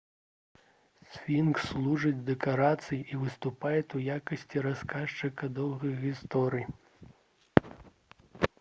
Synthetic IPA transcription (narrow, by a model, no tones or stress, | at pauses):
sʲfʲinkslˠuʐɨd͡zʲd̪ɛkaɾat̪sɨjiʔivɨst̪upajɛt̪ujakɐsʲt͡sʲiɾaskaʂt͡ʂɨkɐd̪ɔwɣɐjɣʲist̪ɔɾɨj